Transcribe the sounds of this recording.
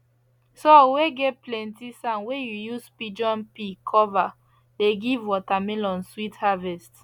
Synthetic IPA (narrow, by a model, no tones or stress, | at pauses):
soweɡɛtplɛ̃ntisãnwejujuspid͡ʒɔ̃npikʰɔva | leɡivwɔtamelɔ̃nswithavɛst